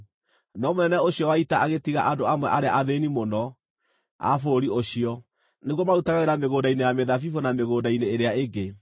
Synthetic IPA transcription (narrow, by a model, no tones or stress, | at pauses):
nɔmonɛnɛoɕiɔwaitaʔaɣetiɣaʔandoamwɛʔaɾeaʔaðenimonɔ | a̰foɾioɕiɔ | neɣwɔmautaɣaɣeɾameɣoːdainejameðafifonameɣoːdaineːɾeaeɡe